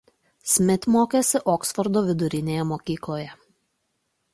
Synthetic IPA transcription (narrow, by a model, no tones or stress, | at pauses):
sʲmʲɪt̪ʲmoːkʲesʲɪʔɔːksfɔɾd̪oːʋʲɪd̪ʊɾʲɪnʲeːjɛmoːkʲiːklˠoːjɛ